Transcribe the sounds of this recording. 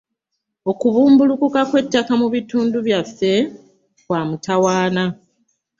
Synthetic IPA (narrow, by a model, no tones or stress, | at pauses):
o̞kuβuːmbulukukakwe̞tːakamuβituːnduβjafːe̞ | βwaːmutawaːna